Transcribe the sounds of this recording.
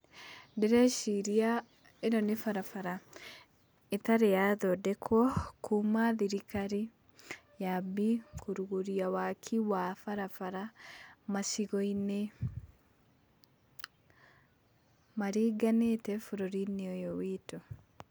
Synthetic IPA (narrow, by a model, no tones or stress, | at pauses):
deɾɛʃiɾia | enɔnefaɾafaɾa | etaɾejaðɔdɛkʰwɔkʰumaðiɾikaɾi | jabikuɾuɣoɾiawakʰiwafaɾafaɾamasiɣɔine | maɾiːɡanetɛfoɾɔɾiniɔjɔwito